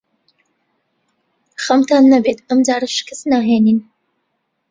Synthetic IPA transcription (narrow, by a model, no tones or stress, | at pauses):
χɐmtʰanːɐbet̪ʰɐmd͡zaːɾɨʃkʰɨsnaːɦeːnin